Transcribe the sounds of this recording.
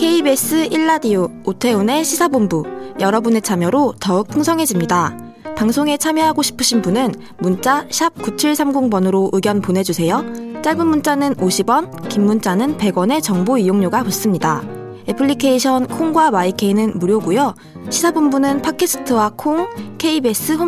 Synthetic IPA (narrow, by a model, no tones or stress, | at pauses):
kʰe̞ibe̞s͈ɯʔiɭːadioːtʰe̞one̞ɕʰisʰabombujʌɾʌbune̞t͡ɕʰamjʌɾotʌɯk̚pʰɯŋsʰʌŋɦe̞d͡ʑimɲida | paŋsʰoŋe̞t͡ɕʰamjʌɦaɡoɕʰi̥pʰɯɕʰinbunɯn | munt͡ɕ͈aɕʰap̚kut͡ɕʰiɭsʰamɡuŋbʌnɯɾoʔɯɡjʌnponɦe̞d͡ʑusʰe̞jot͡ɕ͈aɭbɯnmunt͡ɕ͈anɯnoɕʰibʌn | kimːunt͡ɕ͈anɯnpe̞ɡwʌne̞t͡ɕʌŋboijoŋɲoɡapɯs͈ɯmɲida | epʰɯʎːikʰe̞iɕʰʌnkʰoŋɡwabaikʰeinɯnmuɾjoɡujo | ɕʰisʰabombunɯnpʰakʰes͈ʰɯ̥tʰɯwakʰoŋkʰe̞ibe̞s͈ɯɸo